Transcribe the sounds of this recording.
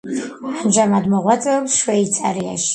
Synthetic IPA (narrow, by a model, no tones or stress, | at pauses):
anʒamad̪mɔʁwat̪sʼɛɛpsʃwɛit̪sʼaɾia̰ʃi̥